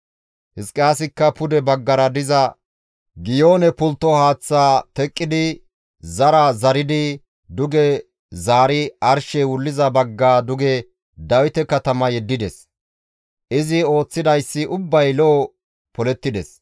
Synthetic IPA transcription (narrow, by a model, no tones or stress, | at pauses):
hɪskʼːɪaːs̬ɪkːɐpʊd̪ɛbɐɡːɐɾɐd̪ɪzɐ | ɡɪjo̞ːnɛpʊlt̪ːɔhaːt͡sːaːt̪ɛkʼːɪd̪ɪ | zɐɾɐzɐɾɪd̪ɪ | d̪ʊɡɛ | zaːɾɪɐɾʃɛwʊlːɪzɐbɐɡːaːd̪ʊɡɛ | d̪ɐwɪt̪ɛkɐt̪ɐmɐjɛd̪ːɪd̪ɛs | ʔɪzɪo̞ːt͡sːɪd̪ɐjsːɪʔʊbːɐjlɔː | pɔlɛt̪ːɪd̪ɛs